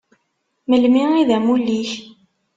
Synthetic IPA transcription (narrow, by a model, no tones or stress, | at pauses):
məlmiiðæmuliç